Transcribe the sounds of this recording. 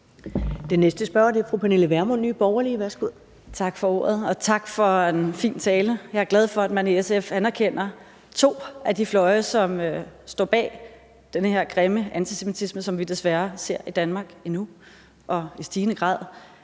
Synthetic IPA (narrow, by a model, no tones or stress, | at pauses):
d̥enesd̥əsb̥ɶɐ̰d̥e̝ɐfʁupʰæne̝ləʋæɐmonːy̰ːb̥ɒʊɐliʋæɐsɡ̥uð̰ˠ | t͡sʰɑ̈ɡ̥fɒ̽o̝̰ɐð̞ˠɒ̽t͡sʰɑ̈ɡ̥fɒ̽e̝nfḭːnt͡sʰɛːləjɑ̈æɐɡ̥læð̞ˠfɒ̽æd̥̚mæneesefænæɐkʰen̰ɐ | t͡sʰo̝̰ːæd̥iflɒ̽ɪɐsɒ̽møsd̥ɒ̰ːb̥ɛ̰ː | d̥enəhe̝ɐ̰ɡ̥ʁeməænt͡sʰisemit͡sʰisməsɒ̽mʋid̥e̝sʋæɐse̝ɐ̰id̥ænmɑ̈ɡ̥inu | ʔɒ̽isd̥iːnəɡ̥ʁɑ̰̈ːð̰ˠ